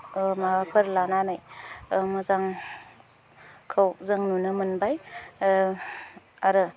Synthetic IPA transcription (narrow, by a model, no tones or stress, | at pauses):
maɾapʰɯɾlananajmazaŋ | kʰɯwzɯŋnunɯmɯnbaj | aɾɯ